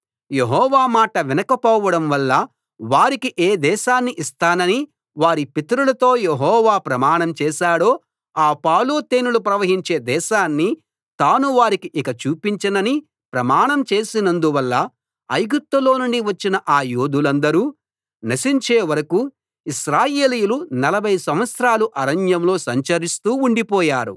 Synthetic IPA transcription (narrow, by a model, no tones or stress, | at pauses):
jeɦɔːʋaːmaːʈɐʋinɐkɐpɔːʋɐɽɐmʋɐlːɐ | ʋaːɾikiʔeːd̪ɛːʃaːnːiʔist̪aːnɐni | ʋaːɾipit̪ɐɾulɐt̪o̞ːjeɦɔːʋaːpɾɐmaːɳɐmt͡ʃɛːʃaːɽo̞ː | aːpaːloːt̪eːnulupɾɐʋɐɦiɲt͡ʃe̞ːd̪ɛːʃaːnːi | t̪aːnuʋaːɾikiʔikɐt͡ʃuːpiɲt͡ʃɐnɐni | pɾɐmaːɳɐmt͡ʃe̞ːsinɐnd̪uʋɐlːɐ | ɐjɡut̪ːɐlo̞ːnuɳɖiʋɐt͡ʃːinɐʔaːjuːd̪ulɐnd̪ɐɾuː | nɐsiɲt͡ʃe̞ːʋɐɾɐku | iʃɾaːjeːlijulunɐlɐbʱɐjsɐmʋɐt̪sɾaːluʔɐɾɐɲjɐmlo̞ːsɐɲt͡ʃɐɾist̪uːuɳɖipɔːjaːɾṵ